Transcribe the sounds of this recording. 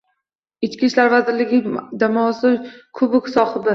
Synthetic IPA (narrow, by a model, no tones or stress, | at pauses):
ɪt͡ʃkʲiʃlaɾvazɪɾlɪɡʲɪd͡ʒamɒsɪkʰʊbɪkʲsɒχɨd̪a